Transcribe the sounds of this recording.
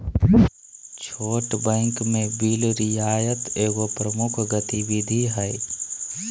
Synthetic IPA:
t͡ʃʰoːʈbɛ̃ːŋkmẽbilɾɪjaːjət̪eːɡopɾəmʊkʰɡət̪iwid̪ʱiɦɛj

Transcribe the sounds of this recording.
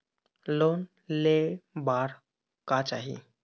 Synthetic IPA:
lon | lebaɾ | kat͡ɕaɦḭ

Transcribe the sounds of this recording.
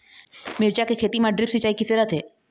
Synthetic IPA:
mɪɾt͡ʃakekʰeːt̪imãɖɾɪpsɪt͡ʃaːikisɪɾət̪ɦeː

